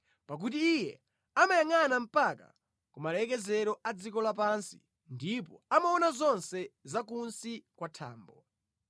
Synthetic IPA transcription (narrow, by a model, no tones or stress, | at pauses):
pak̬ut̬iːjɛ | amajaŋanam̩paka̰ | kumalɛk̬ɛzɛɾɔad͡zikɔlap̬ansi | ndip̬ɔamaɔnazɔnsɛzakunsikwatʰa̰ːmbɔ